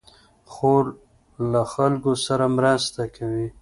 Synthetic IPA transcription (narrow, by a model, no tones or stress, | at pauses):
xoɾ | laxalkosaɾamɾast̪akʰawi